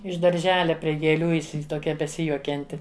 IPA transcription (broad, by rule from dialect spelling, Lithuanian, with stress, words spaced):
ɪʃ dɐrʲˈʒʲæːlʲɛ pʲrʲiɛ ɡʲeːˈlʲuː ɪsʲɪ toːˈkʲɛ bʲɛˈsʲɪjuɔkʲɛnʲtʲɪ